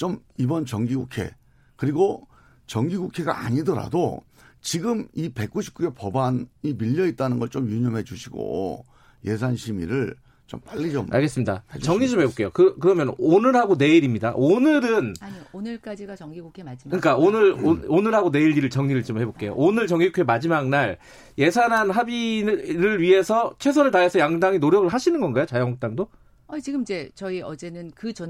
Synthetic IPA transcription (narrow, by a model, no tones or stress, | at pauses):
t͡ɕomibʌnt͡ɕʌŋɡiɡukʰe̞̰ | kɯɾiɡo | t͡ɕʌŋɡiɡukʰe̞ɡa̰aɲidʌɾa̰do̰ | t͡ɕiɡɯmipe̞k͈̚uɕʰi̥p̚k͈uepʌbanimiʎːʌit̚t͈anɯnɡʌɭt͡ɕomjuɲʌmɦe̞d͡ʑuɕʰiɡo̰ | je̞s̬ʰanɕʰimḭɾɯɭ | t͡ɕo̰mp͈aʎːit͡ɕoma̰ɭɡe̞s͈ɯmɲidat͡ɕʌŋɲid͡ʑomhebok͈e̞jokɯkɯɾʌmjʌnonɯɾɦaɡone̞iɾimɲidaʔonɯɾɯnaɲionɯɭk͈ad͡ʑiɡat͡ɕʌŋɡiɡokʰkɯɲik͈aonɯɾoonɯɾɦaɡone̞iɭːiɾɯɭt͡ɕʌŋɲiɾɯɭt͡ɕomhe̞bok͈e̞jo̰ʔonɯɭt͡ɕʌŋiɡokʰemad͡ʑimaŋnaɭ | je̞sʰanɦanɦabiɾɯɭɥiɦe̞sʰʌt͡ɕʰwe̞s̬ʰʌɾɯɭtaɦesʰʌjaŋdaŋinoɾjʌɡɯɭɦaɕʰinɯnɡʌnɡajot͡ɕajʌŋok̚t͈aŋdo | at͡ɕiɡɯmid͡ʑe̞t͡ɕʌiʌd͡ʑe̞nɯnkɯt͡ɕʌ